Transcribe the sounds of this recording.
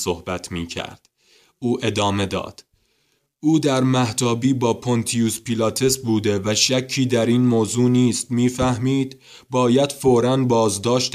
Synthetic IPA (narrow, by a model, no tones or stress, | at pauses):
sohbæt̪ʰmiːcʰæ̰ɾd̪̥ | ʔuːʔe̞d̪ɒːme̞d̪ɒ̰ːd̪̥ | ʔuːd̪æɾmæht̪ɒːbiːbɒːpʰont̪ʰijuspilɒːt̪ʰe̞sbuːd̪e̞væʃæcʰːiːd̪æɾiːnmoːzuːniːst̪miːfæhmiːd̪ | bɒːjæd̪̥foːɾænbɒːzd̪ɒːʃt̪